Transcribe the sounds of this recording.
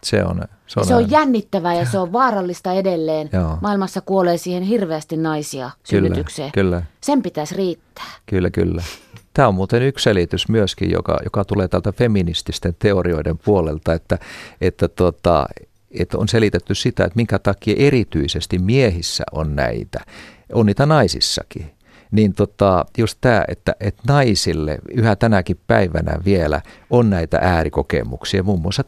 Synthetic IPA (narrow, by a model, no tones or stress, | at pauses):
sḛo̰n | seoɑsneojjænːit̪ːæʋæjɑseoʋʋɑːrɑlːist̪ɑedelːeːnjoːmɑilmɑsːɑkuoleːsiːhenhirʋeæst̪innɑisiɑskylːæt̪ykseːkylːæsempit̪æsriːt̪ːæ̥ːkylːæky̰lːæt̪æːommuːt̪enyksselit̪ysmyøskḭjjo̰kɑ̰jo̰kɑt̪uleːt̪ælt̪æfeminist̪ist̪ent̪eorioidempuolelt̪ɑet̪ːæet̪ːæt̪ot̪ɑ̰ | et̪o̰nselit̪et̪ːyssit̪æet̪miŋkæt̪ɑkiɑʔerit̪yisest̪immiehisːæ̰ʔonnæ̰it̪æ | ʔonniːt̪ænɑisḭsːɑ̰ki | nint̪ot̪ɑjustt̪æːʔḛt̪ːæʔet̪nɑisilːḛyhæt̪ænækippæiʋænæ̰ʋielæ̰onnæit̪æ̰ʔæːrikokḛmṵksiɑmuːmːuɑsɑ